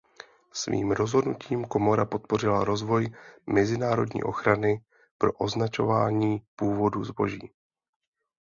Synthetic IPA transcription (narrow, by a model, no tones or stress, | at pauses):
svḭːmɾo̞zɦo̞dnucʰiːmko̞mo̞ɾapo̞t̪̚po̞r̝ɪlaɾo̞zvo̞jmɛzɪnaːɾo̞̰dɲḭːʔo̞̰xɾanɪ | pɾo̞̰ʔo̞znat͡ʃo̞vaːɲiːpuːvo̞duzbo̞̰ʒiː